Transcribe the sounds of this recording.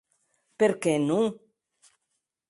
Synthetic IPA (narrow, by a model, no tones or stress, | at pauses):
peɾkenũŋ